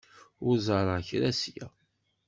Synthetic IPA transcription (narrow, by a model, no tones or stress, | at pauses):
ʊɾzˤɑɾˤəçɾæsjæ̰